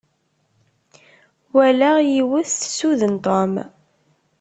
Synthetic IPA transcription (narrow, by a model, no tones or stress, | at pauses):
wælæjiwəθθsuðənt̪ˤom